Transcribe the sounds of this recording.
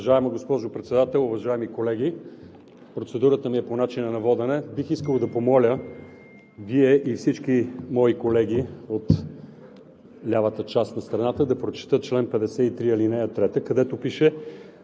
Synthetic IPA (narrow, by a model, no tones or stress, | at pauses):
vɐʒaɛmɐɡospɔʒopɾɛt̪sɛd̪at̪ɛlˠʊvɐʒaɛmikolɛɡ̟i | pɾot̪sɛd̪uɾət̪əmiɛponat͡ʃinənɐvɔd̪ɛnɛbixiskəlˠd̪ɐpomɔlʲə | viɛʔifsit͡ʃk̟imɔikolɛɡ̟ʲiot̪ | lʲavət̪ət͡ʃast̪nɐst̪ɾɐnat̪əd̪ɐpɾot͡ʃi̥t̪ət͡ʃlɛnpɛd̪ɛsɛit̪ɾiɐlinɛjɐt̪ɾɛt̪əkɐd̪ɛt̪opiʃɛ